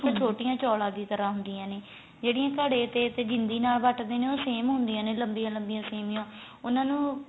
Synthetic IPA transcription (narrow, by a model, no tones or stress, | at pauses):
pt͡ʃʰoːʈɪjãːt͡ʃɔːlãːd̪iːt̪əɾãːɦʊnd̪ijãːneː | d͡ʒeːɽɪ̃jãːkəɽeːt̪eːt̪eːd͡ʒɪnd̪iːnaːlʋəʈd̪eːneːoːseːmɦʊ̃nd̪ijãːneːləmbijãːləmbɪjãːseːmɪjãː | ʊnãːnũː